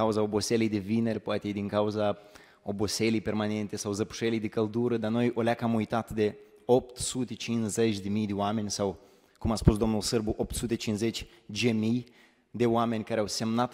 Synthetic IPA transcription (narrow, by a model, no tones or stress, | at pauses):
auzaobo̞selijd̪e̞vine̞rʲpoat̪ed̪iŋkauza | oboselijpe̞rmane̞nt̪e̞sawzəpu̥ʃelijd̪ekəld̪uɾəd̪ano̞jʔo̞lʲakamujt̪at̪d̪e̞ | o̞p̚t̪sut̪e̞t͡ʃinsze̞t͡ʃʲd̪e̞mijd̪e̞oame̞nʲsaw | kumaspus̬d̪o̞mnulsɨrbuʔo̞p̚t̪sut̪e̞t͡ʃinze̞t͡ʃʲ | d͡ʒemij | d̪e̞oame̞nʲkaɾeawse̞mnat̪